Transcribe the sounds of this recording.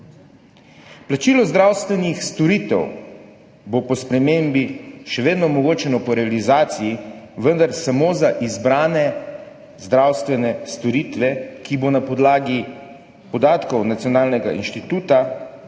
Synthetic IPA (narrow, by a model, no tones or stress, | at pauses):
plat͡ʃiːlɔzd̪ɾawst̪ʋɛnixst̪ɔɾit̪ɛ̰w | bopɔspɾɛmembiʃɛʋeːd̪nɔmɔɡoːt͡ʃɛnɔpɔɾɛalizaːt̪sijiʋənd̪aɾsamoːzaʔizbɾaːnɛ | zd̪ɾawst̪ʋɛnɛst̪ɔɾit̪ʋɛkibonapɔd̪laːɡi | pɔd̪aːt̪kɔwnat̪sʲjɔnaːlnɛɡa̰ʔḭnʃt̪it̪uːt̪a